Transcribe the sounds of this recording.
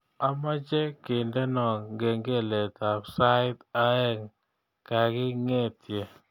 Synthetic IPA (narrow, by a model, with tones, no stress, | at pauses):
a˨ma˦d͡ʒe˦kɪ˨nde˦nɔ˨ŋɡe˨ŋɡe˦le˨t̪a˨ksa˦t̪a˦ɛ˦ŋ | ka˨ɡɪ˦ŋe˦t̪je˨